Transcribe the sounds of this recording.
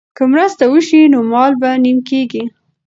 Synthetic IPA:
kəmɾəst̪awəʃinomɑlbanimkeɡi

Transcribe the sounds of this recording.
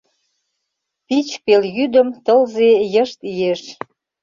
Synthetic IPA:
pit͡ɕpeljyd̪əmt̪əlzejəʃt̪ijeʃ

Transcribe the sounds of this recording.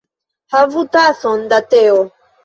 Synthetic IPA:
havutasɔn̩datɛɔ

